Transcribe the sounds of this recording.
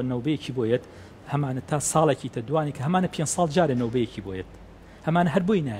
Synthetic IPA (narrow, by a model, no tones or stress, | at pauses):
nɐwbɐjecʰiːboːjet̪ | hɐmaːnɐt̪ʰaːsɑːlˠecʰiːt̪ʰɐd̪uwaːniːkʰɐɦɐmaːnɐpʰeːnd͡ʒsˤɑːld͡ʒaːɾenɐwbɐjecʰiboːjet̪̚ | hɐmaːnɐɦɐɾboinaː